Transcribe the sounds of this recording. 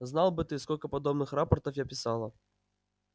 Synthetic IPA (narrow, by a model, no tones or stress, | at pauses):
znalˠbɨt̪ɨskɔlʲkɐpad̪ɔbnɨxɾapɐrt̪ɐfjapʲisalˠɐ